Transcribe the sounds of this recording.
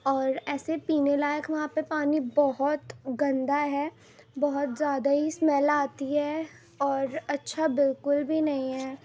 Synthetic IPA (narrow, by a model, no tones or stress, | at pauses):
ɔːɾɛːsepiːnelaːjəkʰʋɐɦãːpepaːnibɔɦʊt̪ɡɐ̃nd̪aɦɛː | bɐɦʊt̪zjaːd̪aɦismɛːlaːt̪iɦɛː | ɔːɾɐtːʃʰabɪlkʊlbʱinɐɦĩɦɛː